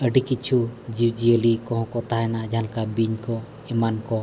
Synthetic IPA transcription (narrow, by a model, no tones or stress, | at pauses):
əɖikit͡ʃʰud͡ʒiwd͡ʒiəlikɔ̃ɦɔ̃kɔt̪aɦɛnad͡ʒãlkabiɲkɔ | imankɔ